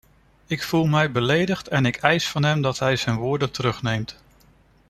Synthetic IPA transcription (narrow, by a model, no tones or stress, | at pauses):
ɪkfulˠmɛjbəlejdəχtɛnɪkɛjsfɑnɦɛmdɑtɦɛjzɛjnʋʊːɹdətəɾɵχnejmt